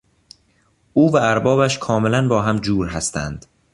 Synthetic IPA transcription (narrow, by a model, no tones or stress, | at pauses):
ʔuːvæːɾbɒːbæʃkʰɒːmelænbɒːɦæmd͡ʒuːɾɦæst̪æ̰nd̪̥